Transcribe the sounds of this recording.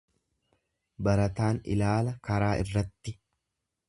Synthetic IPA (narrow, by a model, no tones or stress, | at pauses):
bɐɾɐt̪aːnɪ̰laːlɐkɐɾaːʔɪ̰rːɐt̪ːɪ